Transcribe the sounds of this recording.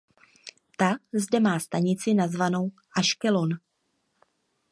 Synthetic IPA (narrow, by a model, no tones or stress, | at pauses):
t̪azdɛmaːst̪aɲɪt͡sɪnazvano̞w | ʔaʃkɛlo̞n